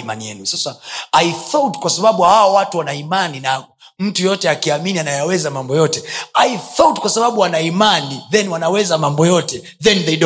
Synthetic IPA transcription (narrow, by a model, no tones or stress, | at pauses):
ma̰nijɛnusasaaiθɔtkwasaɓaɓuhawɔwatuwanaimaninaɡu | m̩tujɔtɛakiaminianajawɛzamambɔjɔtɛaiθɔtkwasaɓaɓuwanaimaniðɛnwanawɛzamambɔjɔtɛ | ðɛnðɛɗ